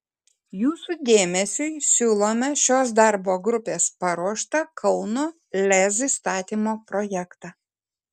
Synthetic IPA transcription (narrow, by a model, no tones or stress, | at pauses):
juːsud̪ʲeːmʲɛsʲʊɪsʲuːlˠoːmʲɛʃʲoːsd̪ɐɾboːɡɾʊpʲeːspɐɾuɔʃt̪ɐkʰɐʊnoː | lʲɛzist̪ɑːt̪ʲiːmoːpɾoːjɛkt̪ɑ